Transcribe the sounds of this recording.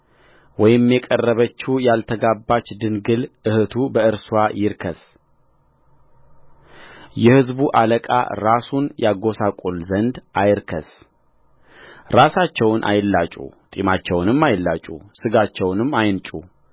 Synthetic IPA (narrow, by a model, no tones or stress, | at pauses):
wɔjɪmjɛkʼərːəβət͡ʃːujalt̪ʰəɡabːat͡ʃːd̪ɨnɡɨlɨhɨt̪ʰubəɨɾsuwajɪɾkʰəs | jɛhɨzbuʔaləkʼa̰ɾasunjaɡo̞sakʼolzənd̪ʔajɾkʰə̰s | ɾasat͡ʃːɛwnʔa̰jlːat͡ʃʼṵt̪ʼimat͡ʃːɛwnɨmːajlːat͡ʃʼṵsɨɡat͡ʃːɛwnɨmːajɨnt͡ʃʼu